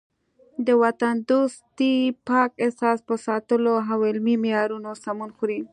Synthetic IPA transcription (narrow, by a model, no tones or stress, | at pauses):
d̪əwat̪and̪ost̪ipɑkɪhsɑspəsɑt̪əloɦawɪlmimɪjɑɾunosamunxuɾi